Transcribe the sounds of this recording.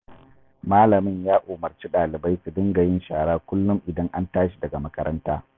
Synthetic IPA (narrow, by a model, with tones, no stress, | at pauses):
maː˦lɐ˨mɪ˦ɲjaː˦ʔoː˨mɐ˨rt͡ʃi˦ɗaː˨lɪ˨ba˦jsu˨dɪ˦ŋɡɐ˨jɪ˦nʃaː˨ɽaː˦kʷʊ˦lːʊ˦mʔɪ˨dɐ˦ŋʔa˦ntaː˦ʃi˨dɐ˨ɡa˨mɐ˦kɐ˦ɾʔɐ̰˦ntaː˦